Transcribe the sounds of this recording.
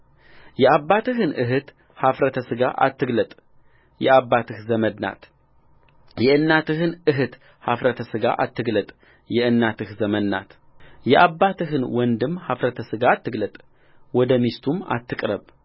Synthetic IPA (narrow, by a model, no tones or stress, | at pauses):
jɛʔaβːat̪ɨɦɨnʔɨɦɨt̪ | hafɾət̪ʰəsɨɡa̰ʔa̰t̪ːɨɡlət̪ʼ | jɛaβːat̪ʰɨhzəmənna̰t̪ | jɛʔɨnːat̪ɨhɨnɨɦɨt̪ | hafɾət̪ʰəsɨɡa̰ʔa̰t̪ːɨɡlət̪ʼ | jɛɨnːat̪ʰɨhzəmənːa̰t̪ | jɛʔaβːat̪ʰɨɦɨnwɔnd̪ɨmhafɾət̪ʰəsɨɡat̪ːɨɡlət̪ʼ | wɔd̪əmist̪ʰuma̰t̪ːɨkʼɾəβ